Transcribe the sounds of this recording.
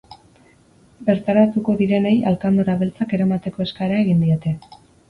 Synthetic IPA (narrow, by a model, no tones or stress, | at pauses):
be̞ɾt̪aɾat̪uko̞ðiɾe̞ne̞jalkand̪oɾaβe̞lt͡sake̞ɾamat̪e̞ko̞e̞skaɾaeɣind̪io̞t̪e̞